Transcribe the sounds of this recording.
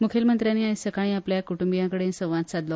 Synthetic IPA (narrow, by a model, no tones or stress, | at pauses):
mukʰelmənt̪ɾjaniːajsəkaɽ̃ĩapljakuʈumbijãkəɽesə̃ʋʋãt̪̚sad̪lɔ